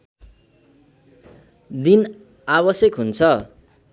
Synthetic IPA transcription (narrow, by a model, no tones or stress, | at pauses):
d̪in | aβʌsjʌkɦunt͡sʰʌ